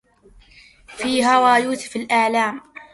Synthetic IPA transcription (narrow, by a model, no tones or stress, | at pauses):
fiːɦawaːjuːsɪ̥falʔaʕlaːm